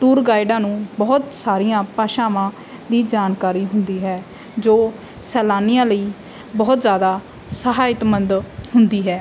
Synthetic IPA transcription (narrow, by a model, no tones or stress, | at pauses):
ʈuːɾɡaːɪɖãːnũːbɔːt̪saːɾijãːpaːʃaːʋãː | d̪iːd͡ʒaːnkaːɾiːɦʊnd̪iːɦɛː | d͡ʒoː | sɛːlaːnɪjãːləiː | bɔːt̪zjaːd̪aː | səɦaːɪt̪mənd̪hʊnd̪iːɦɛː